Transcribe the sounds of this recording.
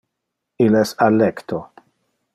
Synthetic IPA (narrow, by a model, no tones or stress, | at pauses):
ilɛsalːɛkt̪ʰo